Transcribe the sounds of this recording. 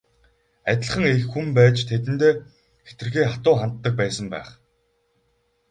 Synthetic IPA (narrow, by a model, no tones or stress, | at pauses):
æt̪ʲɪ̆ɮ̆χə̆ŋexːumpæːt͡ɕt̪ʰet̪ɘ̆nt̪eː | xe̥t̪ɘ̆rxeːχat̪ʊːχant̪ːə̆k̚pæːsə̆mpæ̰ːχ